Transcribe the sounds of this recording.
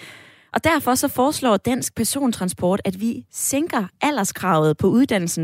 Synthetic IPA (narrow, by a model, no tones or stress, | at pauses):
ʔɒ̽d̥æɐfɒ̽sɒ̽fɒːslɒ̰ːd̥æn̰sɡ̥̚pʰæɐso̝̰ːnt͡sʰʁɑ̈nsb̥ɒːd̥æd̥ʋiseŋɡ̥ʁɐʔæl̰ɐskʰʁɑ̈ʊð̩ˠpʰɒ̽uðˠd̥æn̰l̩sn̩